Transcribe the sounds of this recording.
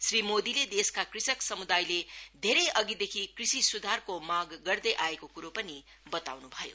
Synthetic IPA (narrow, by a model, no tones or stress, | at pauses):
srimod̪iled̪eskakrisʌksʌmud̪ajled̪ʱeɾʌjʔʌɡid̪ekʰikrisisud̪ʱarkomaɡːʌrd̪ʌjʔaekokuɾopʌni | bʌt̪awnubʱʌjo̰